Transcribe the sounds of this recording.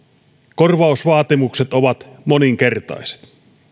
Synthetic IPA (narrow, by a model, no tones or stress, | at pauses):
korʋɑusʋɑːt̪imukset̪oʋɑt̪moniŋkert̪ɑ̰jse̥t̪